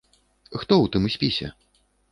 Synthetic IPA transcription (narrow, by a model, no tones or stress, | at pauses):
xt̪ɔwt̪ɨmsʲpʲisʲɛ̰